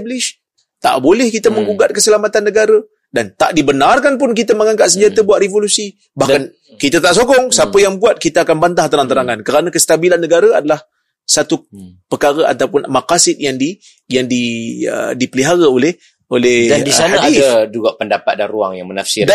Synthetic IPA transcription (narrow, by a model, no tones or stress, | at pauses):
blɪʃ | t̪a̰ʔbolɛhkit̪aməŋɡuɡat̪̚kəsəlamat̪anːəɡaɾə | dant̪aʔdibənarkanp̬ʊnkit̪aməŋaŋɡaʔsəɲd͡ʒat̪abuaʔ̪revolusi | bahkan | kit̪at̪aʔsoɡɔŋsapəjaŋbuat̪̚kit̪aakanbant̪aht̪əɾant̪əɾaŋankəɾanakəst̪abilanːəɡaɾəadalah | sat̪upərkaɾəʔa̰t̪awpʊnmakasɪt̪̚jaŋdi | jaŋdiə̰dipəliɦaɾaolɛh | olɛhadisanadidad͡ʒuɡapəndapat̪̚da̰nrua̰ŋja̰ŋməna̰fsɪra